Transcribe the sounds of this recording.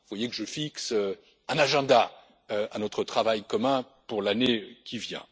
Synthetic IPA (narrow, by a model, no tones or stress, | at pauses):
vwajekəʒəfiksø | ɛ̃naʒɛ̃d̪a | øanɔt̪χət̪χavajkɔmɛ̃ | puʁlanekʲivjɛ̰̃